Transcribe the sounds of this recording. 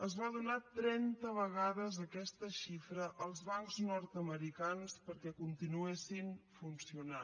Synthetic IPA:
əzβaðunat̪ɾɛnt̪əβəɣaðəzəkɛst̪əʃifɾəʔəlˠzβaŋkznɔɾt̪əməɾikanspəɾkɛkunt̪inuesinfunsiuna

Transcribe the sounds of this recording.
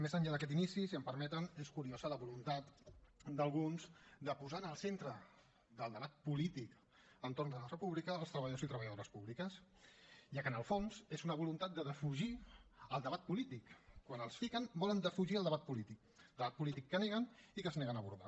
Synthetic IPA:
mezəɲʎaðəkɛt̪inisisiəmpəɾmɛt̪əneskuɾiozələβulunt̪at̪d̪əlˠɣunz̥d̪əpuzanəlˠsent̪ɾə | d̪əlˠd̪əβat̪̚pulit̪ik | ənt̪ornzðələrəpuβlikəːlˠst̪ɾəβəʎəðosit̪ɾəβəjəðoɾəspuβlikəs | ʒakənəlˠfonzezunəβulunt̪at̪̚d̪əðəfuʒiəlˠd̪əβat̪̚pulit̪ikkːwanəlˠsfikənbɔlənd̪əfuʒiəlˠd̪əβat̪̚pulit̪ikˠ | d̪əβat̪̚pulit̪ikːəneɣənikəzneɣənəβuɾða̰

